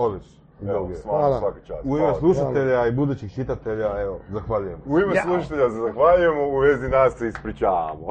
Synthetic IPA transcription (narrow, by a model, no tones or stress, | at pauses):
oʋiʃ | uoɡemasʋaket͡ʃa̰ːsuimeslˠuʃat̪eʎaibud̪uːt͡ɕixt͡ʃit̪at̪e̞ʎaeozaxʋaʎuje̞muimeslˠuʃat̪eʎasezaxʋaʎuje̞mouʋezinasːeispɾit͡ʃaːʋa̰mo